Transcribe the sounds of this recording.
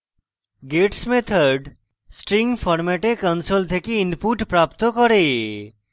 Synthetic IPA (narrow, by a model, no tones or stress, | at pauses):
ɡeʈsmet̪ʰəɾɖ | sʈɾiŋɡfʰɔɾmɛʈekɔnsolt̪ʰekiɪnpuʈpɾapt̪okɔɾe